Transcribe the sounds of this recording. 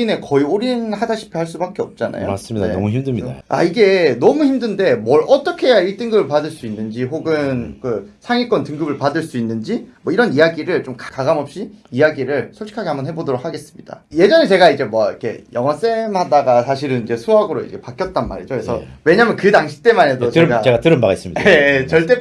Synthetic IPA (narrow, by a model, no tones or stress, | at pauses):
ine̞kʌioɾinhadaɕʰi̥pʰeɦaɭs͈ubak͈eʌp̚t͡ɕ͈ana̰joas͈ɯmidamuçimdɯɲiaa̰iɡe̞nʌmuçimdɯnde̞mʌɾʔʌt͈ʌkʰe̞jaiɭt͈ɯŋɡɯbɯɭpadɯɭs͈uinːɯnd͡ʑiɦoɡɯnkɯsʰaŋik͈ʌntɯŋɡɯbɯɭpadɯɭs͈uinːɯnd͡ʑimwʌiɾʌnijaɡiɾɯɭt͡ɕomkakaɡamʌp̚ɕ͈iijaɡiɾɯɭsʰoɭɕʰi̥kʰaɡe̞hambʌnɦe̞bodoɾok̚haɡe̞s͈ɯ̥mɲid̥a̰je̞d͡ʑʌnet͡ɕe̞ɡaid͡ʑe̞mwʌikʰe̞̰jʌŋɦas͈e̞mhadaɡasʰaɕʰiɾɯnid͡ʑe̞sʰuɦaɡɯɾoḭd͡ʑe̞pak͈jʌt̚t͈anma̰ɾḭd͡ʑokʰɾessʰʌwe̞ɲamjʌnkɯdaŋɕʰi̥t͈e̞manedot͡ɕɯeɯɡaeɡatɯɾɯnbaɡes͈ɯmɲiet͡ɕʌɭt͈e̞